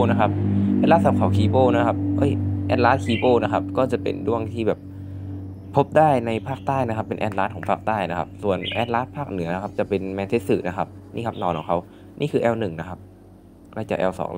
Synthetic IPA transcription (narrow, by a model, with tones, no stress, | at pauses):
na˦˥kʰa˦˥p̚ɛ˧˥laː˧˥t̪̚sa˨˧˩p̚kʰa˧˩wkʰiː˧boː˥˩na˦˥kʰa˦˥p̚ʔɤ˦˥˩jʔɛ̰ː˧˥t̪̚laː˦˥t̪̚kʰiː˧˩boː˥˩na˦˥kʰa˦˥p̚kɔː˥˩t͡ɕa˨˩pḛ˨˩ndu˥˩əŋt̪ʰiː˥˩bɛː˨˩p̚ʰː | o˦˥p̚daː˥˩jna˧jpʰaː˥˩k̚t̪aː˥˩jna˦˥kʰa˦˥pːe˨nʔɛ̰ː˧t̪̚laː˦˥t̪̚ʰɔː˩˦ŋpʰaː˥˩k̚t̪aː˥˩jna˦˥kʰa̰˦˥p̚su˨˩ənʔɛː˧˥t̪̚laː˦˥t̪̚pʰaː˥˩k̚nɯ˨˩˦ɐna˦kʰa˦˥p̚t͡ɕa˨˩pe˨nmɛː˧nt̪ʰe˦˥t̪̚sɯː˨˩na˦˥kʰa˦˥p̚nḭː˥˩kʰa˦˥p̚nɔː˧˩nkɔː˨˩˦ŋkʰa˧˥w | nʔḭː˥˩kʰɯː˧ʔɛː˧wnɯ˨˩ŋna˦˥kʰa˦˥p̚ | ɾa˧˩t͡ɕa˨˩ʔɛː˧wsɔ̰ː˩˦ŋl